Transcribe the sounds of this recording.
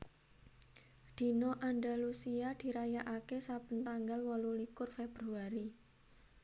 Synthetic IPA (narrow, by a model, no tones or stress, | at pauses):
d̪̥i̤noʔanɖalusiad̪̥i̤ɾajaʔakesabənt̪aŋɡalwɔlulikʊrfeb̥ɾuaɾi